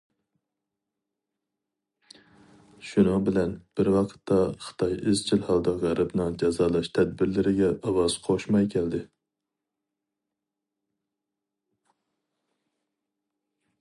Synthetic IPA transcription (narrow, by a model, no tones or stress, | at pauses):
ʃunɨŋbɪlɛnb̥ɪɾwɑqʰə̥t̪ʰːɑχɨ̥t̪ʰɑjɪzt͡ʃʰilhɑlˠd̪ɑʁɾɨbnɨŋd͡ʒɛzɑːlˠɑʃt̪ʰɛd̪̚bɪɾlɪɾɪɡʲɛʔɑwɑz̥qʰoʃmɑjkʲʰɛld̪ɪ